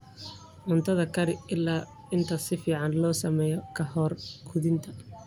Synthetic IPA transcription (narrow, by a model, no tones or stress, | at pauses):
mʊnt̪ʰɐðɐkʰɐɾɪɪlːaː | ɪnt̪ʰɐsɪfiːʕɑnlɔːsɐmɛːjɔkʰɐhɔːrɡ̥ʊðɪnt̪ʰɐ